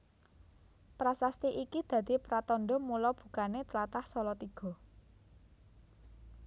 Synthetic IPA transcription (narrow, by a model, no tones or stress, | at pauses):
pɾasast̪iʔikid̪̥ä̤d̪̥i̤pɾat̪ɔɳɖɔmulɔb̥ṳkanet̪əlat̪ahsɔlɔt̪iɡ̥ɔ̤